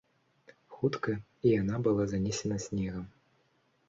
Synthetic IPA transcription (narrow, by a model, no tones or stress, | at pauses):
xut̪kɐ | ijanabɨlˠazanʲɛsʲɛnɐsʲnʲɛɣɐm